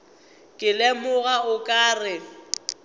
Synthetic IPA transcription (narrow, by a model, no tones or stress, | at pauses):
kʼɪlɛmʊɣaʊkʼaːrɪ